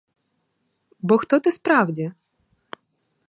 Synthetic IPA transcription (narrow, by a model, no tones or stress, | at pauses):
bɔxt̪ɔt̪ɪspɾɑwdʲi